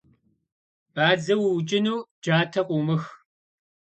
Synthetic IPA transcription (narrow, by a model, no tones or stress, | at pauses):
b̥aːd͡zɐwwt͡ʃʼɪnuːd͡ʒaːtʰɐqʷʼʊmɨx